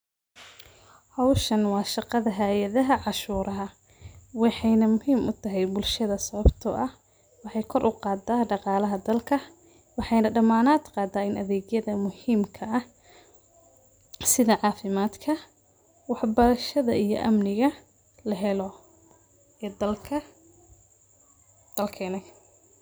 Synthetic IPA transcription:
hɑwʃɐnwɑːʃɑqɑðɐɦajɐðɐɦɐʕɑʃuːɾʔɐɦɐ | wɑħɑjnɐmʊhiːmʔʊt̪ʰɐɦɛjbʊlʃɐðɐsɐβɐbt̪ʰɔ̰ːʔɐh | wɑħɑjkʰɔrʔʊqɑːd̪aːɖɑqɑːlɐɦɐd̪ɐlkʰɐ | wɑħɑjnɐɖɐmaːnaːd̪qɑːd̪aːɪnʔɐðɛːɡjɐðɐmʊhiːmkʰɐʔɐh | sɪðɐʕɑːfɪmaːd̪kʰɐ | wɑħbɐɾɐʃɐðɐʔijɔ̰ʔɐ̰mnɪɣɐ | lɐɦɛlɔ | ɛd̪ɐlʰɐ | d̪̥ɐlkʰɛnɛj

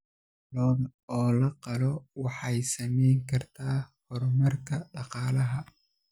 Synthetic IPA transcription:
lɔːmɔːlɐqɑlɔwɑħɑjsɐmɛjŋkʰɐrt̪ʰaːhɔrmɐrkʰɐɖɑqɑːlɐɦɐ

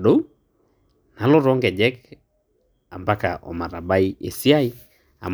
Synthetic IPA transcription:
ɗou | nalɔɾɔŋɡɛd͡ʒɛk | ambaka̰ʔɔ̰maɾabaiḛsiai | a̰m

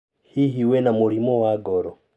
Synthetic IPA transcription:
hiɦiwenamuɾimowaɡɔɾɔ

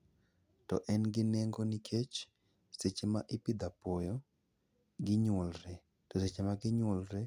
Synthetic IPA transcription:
tɔ̰ʔɛnɡɪnɛŋɡonikʰet͡ʃ | set͡ʃemaʔɪpɪd̪apɔjɔ | ɡɪɲwolɾɛ | tɔset͡ʃemaɡɪɲwɔlɾɛ

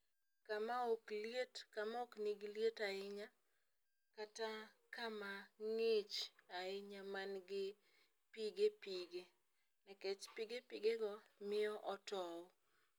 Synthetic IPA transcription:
kamaokljetkamaokniɡljetaɪɲa | katakamaŋɪt͡ʃaɪɲamanɡɪ | piɡepiɡe | nɛkɛt͡ʃpiɡepiɡeɡɔmɪjɔʔɔtɔɔ

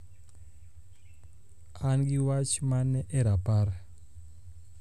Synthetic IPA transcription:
anɡiwat͡ʃmanɛʔɛɾapaɾa

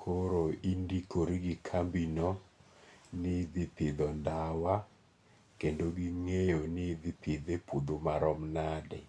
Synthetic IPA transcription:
kʰoɾoindikʰoɾiɡikʰambinɔ | nɪd̪ɪpɪd̪ɔndawa | kendoɡiŋejonɪd̪ɪpʰɪd̪epud̪omaɾɔmnadɛ̰

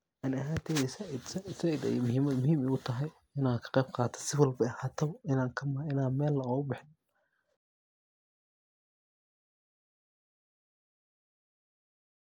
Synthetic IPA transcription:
ʔaːnɐɦaːnt̪ʰɛːðɛsssɐid̪ɛ̰jmʊɦiːmɐd̪mʊhiːmɛjʊt̪ʰɐɦɛj | ɪnaːkʰɐ̥qɛjbqɑːt̪ʰɐ̥sɪwɐlbɐɐhaːt̪ʰɐɪnaːŋkʰɐmɐɪnaːnmɛːlːɐɔɣʊbɪħɪn

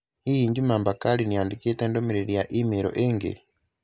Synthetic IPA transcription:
ijiːɲɟumaːmbakalinijaːndiketeːndomeɾeɾijaʔimeɾo̰ʔeŋɡḛ

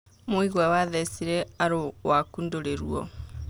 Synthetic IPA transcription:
moiɣwɛwaðɛsiɾɛaɾowakundoɾeɾuɔ̰

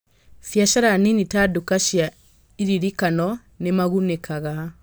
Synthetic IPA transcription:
fjaʃaɾaninitadukaʃja | iɾiɾikanɔ | nemaɣunɛkʰaɣa

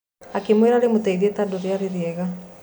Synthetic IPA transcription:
akemweɾaɾemotɛiðiɛtadoɾeaɾeɾeɛɣa

